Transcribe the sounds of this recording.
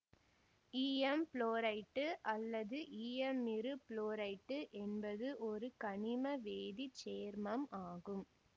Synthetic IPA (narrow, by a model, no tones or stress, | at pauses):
iːɛmploːɾɐɪʈːɯʔɐlːɐðɯʔiːɛmːɪɾɯploːɾɐɪʈːɯʔɛnbɐðɯʔɔɾɯkɐɳɪmɐʋeːðit͡ʃeːɾmɐmaːɣɯm